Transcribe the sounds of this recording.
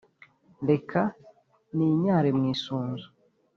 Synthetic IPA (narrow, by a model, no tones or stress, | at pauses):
de̞kʰa | niɲaːɾemŋiːsuːnzu